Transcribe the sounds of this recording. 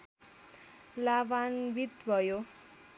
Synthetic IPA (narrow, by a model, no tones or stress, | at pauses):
labanbit̪bʱʌjo